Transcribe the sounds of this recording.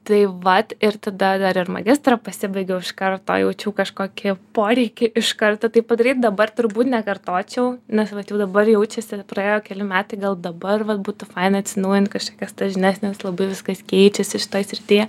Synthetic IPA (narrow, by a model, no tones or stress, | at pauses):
t̪ɐɪʋɐt̪ɪɾt̪ɐd̪ɐd̪ɐɾɪɾmɐ̰ɡʲɪst̪ɾɐpɐsʲɪbɐɪɡʲɛʊɪʃkɐrt̪o̰jɛʊt͡ʃʲuːkɐʃkoːkʲɪpoːɾʲɛɪkʲɪʔɪʃkɐrt̪oːt̪ɐɪpɐd̪ɐɾʲiːt̪̚d̪ɐbɐrt̪ʊɾbuːt̪nʲɛkɐrt̪oːt͡ʃʲɛʊnʲɛsʋɐt̪jɛʊd̪ɐbɐrjɛʊt͡ʃʲɛsʲɪpɾɐeːjoːkʲɛlʲɪmʲæːt̪ɐɪɡɐlˠd̪ɐbɐrʋɐt̪̚buːt̪ʊfɐɪnɐt̪ʲsʲɪnɐʊjɪnt̪kɐʃkoːkʲɛsd̪ɐʒʲɪnʲæːsʲnʲeːslˠɐbɐɪʋʲɪskɐskʲɛɪt͡ʃʲɛsʲɪʃʲɪ̥t̪oːjsʲɾʲɪt̪ʲiːjɛ